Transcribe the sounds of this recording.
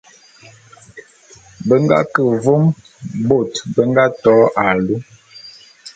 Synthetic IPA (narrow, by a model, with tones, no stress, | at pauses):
bə˦ŋɡa̰˦kə˨vo˦m | bo˨tbə˦ŋɡa˦tɔ˨˦ʔa˨lu˦